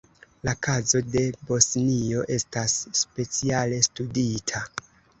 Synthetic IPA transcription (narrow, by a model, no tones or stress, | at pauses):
lakʰazo̞de̞bo̞snio̞ʔe̞stasːpe̞t͡siale̞studitʰa